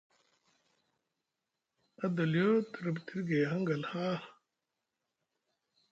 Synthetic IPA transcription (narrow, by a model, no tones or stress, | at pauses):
ɐd̪ɐljoːt̪ʰɾɐbt̪ʰiɾɡeːɦɐŋɡɐlhaː